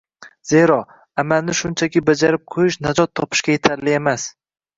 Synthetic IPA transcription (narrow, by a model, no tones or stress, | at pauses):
z̥e̞ɾɒ | amalnɪʃʊnt͡ʃʰakʲɪbad͡ʒaɾɪp̚qʰojɪʃnad͡ʒɒt̪ʰːɒpʰɪ̥ʃkʲaje̞t̪ʰaɾlɪe̞mas